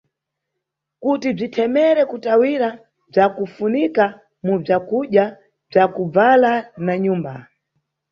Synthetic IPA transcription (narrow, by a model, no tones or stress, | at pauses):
kutib͡ʐitʰɛmɛɾɛkutawiɾa | b͡ʐakufunika | mub͡ʐakuɗja | b͡ʐakub͡valanaɲuːmba